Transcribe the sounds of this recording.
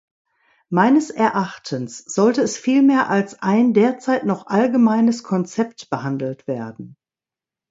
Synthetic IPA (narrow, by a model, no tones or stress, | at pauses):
maɪnəsɛɐʔaχtʰənsz̥ɔltəɛsfiːlmeːɐʔalsʔaɪndeːɐt͡saɪtnɔχʔalɡəmaɪnəskʰɔnt͡sɛptb̥əhandl̩tv̥eːɐdn̩